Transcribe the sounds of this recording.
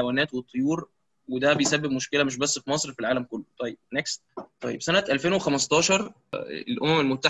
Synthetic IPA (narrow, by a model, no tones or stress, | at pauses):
wæːnæːt̪wet̪ˤʰːojuːɾ | wed̪æbejsæbːebmoʃkelæmeʃ̬bæsːfimɑsˤɾfilʕaːlæmkolːot̪ˤɑjːeb̥̚nekst̪t̪ˤːɑ̰jːebsænæt̪ʔælfeːnwexæmɑst̪ˤɑːʃɑɾˤ | ḛlʔomæmelmot̪ːa